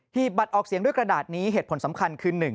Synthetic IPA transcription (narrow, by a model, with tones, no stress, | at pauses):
hiː˨˩p̪̚ba˨˩t̪̚ʔɔː˨˩k̚si˨˦ŋdu˥˩əjkɾa˧daː˨˩t̪̚niː˦˥ɦeː˨˩t̪̚po˩˦nsa˩˦mkʰa˧nkʰɯː˧nːɯ˨˩ŋ